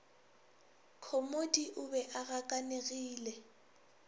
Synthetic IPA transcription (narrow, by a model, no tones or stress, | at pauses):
kʰomodiʔʊbɛʔaɣakʼaneɣiːlɛ